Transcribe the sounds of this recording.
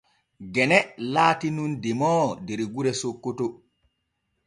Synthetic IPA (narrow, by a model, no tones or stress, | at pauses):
ɡɛnɛlaːtinundɛmɔːdeɾɡuɾɛsokːoto